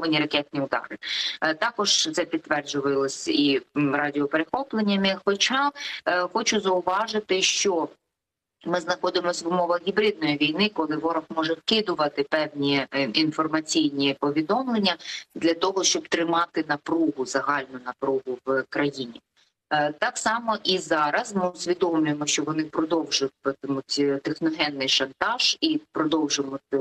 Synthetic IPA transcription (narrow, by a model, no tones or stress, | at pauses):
ɪnʲiɾɐkɛt̪̚ʲnʲiʊd̪ɑ̰ɾɪt̪ɑkɔʒ̥t̪sɛpʲid̪ːʋɛrd͡ʒʊʋɪlˠɪsʲiɾɑdʲɪɔpeɾexɔplˠenʲːɐmɪxɔt͡ʃɑxɔt͡ʃʊzɐʊʋɑʒɪt̪ɪʃt͡ʃɔ | mɪznɐxɔd̪ɪmɔsʲʋʊmɔʋɐxɣʲibɾɪd̪̚nɔjiʋʲijnɪkɔlˠɪʋɔɾɐxmɔʒɛwkɪd̪ʊʋɐt̪ɪpɛwnʲiinfɔrmɐt͡sʲijnʲipɔʋʲid̪ɔmlˠenʲːɐd̪lʲɐt̪ɔɦɔʃt͡ʃɔb̚t̪ɾɪmɑt̪ɪn̪ɐpɾuɦʊzɐɦɑlʲnʊnɐpɾuɦʊwkɾɐjinʲḭ | t̪ɑksɑmɔʔizɑɾɐzmɪʊsʲʋʲid̪ɔmlʲʊjemɔʃt͡ʃɔʋɔnɪpɾɔd̪ɔwʒʊt̚ʲt̪mut̪ʲt̪exnɔɦɛnːɪjʃɐnt̪ɑʒ̥ipɾɔd̪ɔwʒʊmʊt̪ɪ